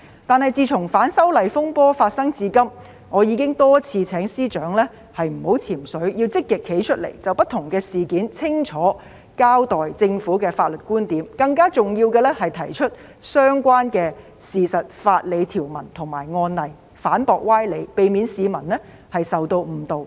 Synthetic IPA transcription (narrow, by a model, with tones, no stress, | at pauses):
t̪aː˨nhɐ˨˩jt͡siː˧t͡sʰʊ˨˩ŋfaː˨˥nsɐ˥wlɐ˨jfʊ˥ŋpɔː˥faː˧t̚sɐ˥ŋt͡siː˧kɐ˥m | ŋɔː˨˧jiː˨˧kɪ˥ŋt̪ɔː˥t͡sʰiː˧t͡sʰɛː˨˥ŋsiː˥t͡ʃœː˨˥ŋlɛː˥ | hɐ˨jm̩˨˩ho˨˥wt͡sʰiː˨˩msɵ˨˥ɥji˧wt͡sɪ˥kːɪ˨kʰːe˨˥jt͡ʃʰɵ˥t̚lḛ˨˩jt͡sɐ˨wpɐ˥t̪ʰːʊ˨˩ŋkɛː˧siː˨˩kiː˨˥nt͡sʰɪ˥ŋt͡ʃʰɔː˨˥ | kaː˥wt̪ɔː˨jt͡sɪ˧ŋfuː˨˥kɛː˧faː˧t̚lɵ˨t̚kuː˥nt̪iː˨˥mkɐ˧ŋkaː˥t͡sʊ˨ŋjiː˧wkɛː˧lɛ˥hɐ˨jt̪ʰɐ˨˩jt͡ʃʰɵ˥t̚ | sœː˥ŋkʷaː˥nkɛː˧ | siː˨sɐ˨t̚faː˧t̚le˨˧jt̪ʰiː˨˩wmɐ˨˩nt̪ʰʊ˨˩ŋmaː˨˩jŋɔː˧nlɐ˨˩j | faː˨˥npɔː˨˧k̚waː˥jle˨˧jpe˨˧jmiː˨˧nsiː˨˧mɐ˨˩nlɛ˥ | hɐ˨jsɐ˨wt̪o˧wm̩˨˩t̪o˨w